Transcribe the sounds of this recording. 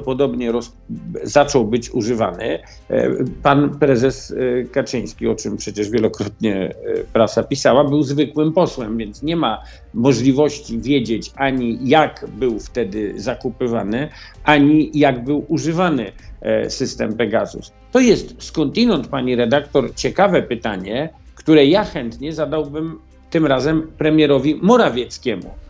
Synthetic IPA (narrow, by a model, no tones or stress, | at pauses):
pɔd̪ɔbɲɛɾɔs | zat͡ʂɔwbɘt͡ɕuʐɘva̰nɪ̰ | panpɾɛzɛskat͡ʂɘ̃j̃skʲiɔt͡ʂɘmpʂɛt͡ɕɛʐvʲjɛlɔkɾɔt̪̚ɲɛpɾasapʲisawabɘwzvɘkwɘmpɔswɛmvʲjɛnt̪sɲɛma | mɔʐlʲivɔɕt͡ɕivʲjed͡ʑet͡ɕaɲijakbɘwft̪ɛd̪ɘzakupɘvanɘʔaɲijaɡbɘwuʐɘvanɘsɘst̪ɛmpɛɡazṵs | t̪ɔjɛst̪skɔnt̪inɔnt̪paɲiɾɛd̪akt̪ɔɾt͡ɕɛkavɛpɘt̪aɲɛkt̪uɾɛjaxɛnt̪ɲɛzad̪awbɘm | t̪ɘmɾazɛmpɾɛmʲjɛɾɔvʲimɔɾavʲjɛt̪skʲɛmṵ